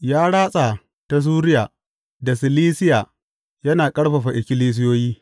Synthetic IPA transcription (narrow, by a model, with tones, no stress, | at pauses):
jaː˦ɽaː˦sʼa˨ | ta˨s̬uː˦ɾɪ˦jaː˨ | da˨sɪ˨liː˦sɪ˦jaː˨ | jɐ˦naː˨kʼɐ˦ɽɸɐ˨ɸa˨ʔɪ˨kʲɪ˦liː˦s̬ɪ˦joː˦jiː˦